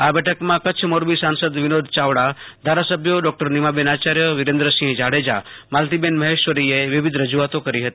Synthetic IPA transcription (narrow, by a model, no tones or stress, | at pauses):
abɛʈʰəkmãkət͡ʃʰmoɾbisansəd̪ʋɪnod̪ʱt͡ʃaʋɽad̪ʱaɾasəbʱjəɖɔk̚ʈəɾnimabenat͡ʃaɾjəʋɪɾẽnd̪ɾəsĩɦd͡ʒaɽed͡ʒa̰malt̪ibenməɦeʃʋəɾieʋɪʋɪd̪ʱɾəd͡ʒuat̪okəɾiɦət̪ii